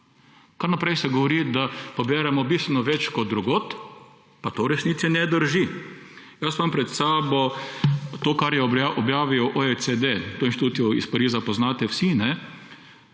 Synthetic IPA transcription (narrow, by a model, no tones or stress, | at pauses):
kaɾnapɾɛjsɛɡɔʋɔɾid̪apɔbɛːɾɛmɔbist̪ʋɛnɔʋɛt͡ʃkɔt̪̚d̪ɾuɡoːt̪ | pat̪oːɾɛsniːt̪sinɛd̪əɾʒi | jasʋampɾɛt̪saːbɔ | t̪oːkaɾjɛɔbjaːʋiɔʔoet͡s̪ed̪et̪oːinʃit̪uːt̪iɔḭspaɾiːzapɔznaːt̪ɛwsinɛ